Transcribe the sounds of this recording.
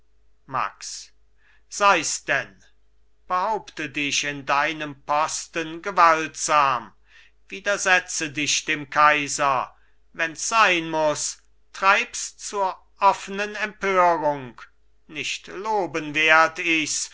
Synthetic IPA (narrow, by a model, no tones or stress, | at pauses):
ma̰ks | z̥aɪsd̥ɛn | b̥əhaʊptədɪʃɪndaɪnəmpɔstənɡəvaltz̥aːm | viːdɐzɛt͡sədɪʃd̥eːmkʰaɪzɐ | vɛnsz̥aɪnmʊs | tʁ̥aɪpst͡suːɐ | ʔɔfənənɛmpʰøːʁʊŋk | nɪʃtloːbənveːɐtɪs